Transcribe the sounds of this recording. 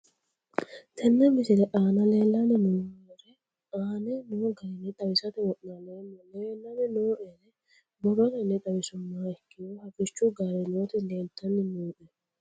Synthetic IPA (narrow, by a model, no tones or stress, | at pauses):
t̪ʰɛnːɛmɪsɪlɛʔaːnɐle̞ːlːɐnɪnʊnoɛɾɛ | ʔaːnɛnoːɡɐɾɪnːɛt̪ʼɐwɪsɐt̪ɛwɔʔnaleːmːɔleːlːɐnɛnoːʔɛɾɛ | bɔɾɔtɐnːɛt̪ʼɐwɪsʊnːaːɛkːɪjohɐfɪt͡ʃːuɡaːɾɪɛloːt̪ɪleːlt̪ːɐnːɪnuːʔɛ